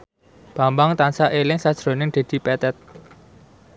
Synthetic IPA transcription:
b̥ä̤mbaŋt̪ansaʔelɪŋsad̥ʒ̥ɾo̤nɪŋd̪̥e̤d̪̥i̤pɛt̪ɛt̪̚

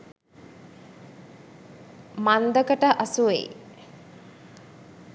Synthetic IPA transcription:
mand̪əkəʈəʔasuʋḛj

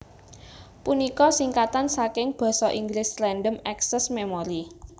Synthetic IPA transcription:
punikɔsiŋkat̪ansakɪŋb̥ɔ̤sɔʔiŋɡlɪslɛnɖəmɛksɛsmemɔɾi

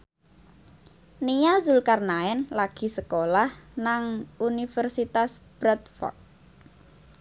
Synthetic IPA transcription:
nijazulkarnaɛnlaɡ̥i̤səkolahnaŋʔunifərsit̪asb̥ɾɛt̪fɔ̰rd̪̚

